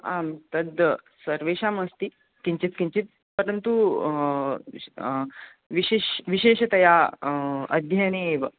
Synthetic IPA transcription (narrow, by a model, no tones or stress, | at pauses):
a̰mt̪əd̪əsəɾʋeɕaməst̪i | kiɲt͡ɕit͡s̪kiɲt͡ɕit͡s̪ | pəɾənt̪u | ʋiɕeɕʋiɕeɕt̪ɐja | ə̰d̪ʱjaneʋ